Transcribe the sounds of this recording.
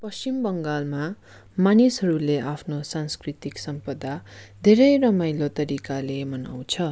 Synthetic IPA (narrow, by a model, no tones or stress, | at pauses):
pʌst͡ɕimbʌŋɡalma | manisɦʌɾuleʔapʰnosanskrit̪iksʌmpʌd̪ad̪ʱeɾʌjrʌmajlot̪ʌɾikalemʌna̰w̃t͡sʰʌ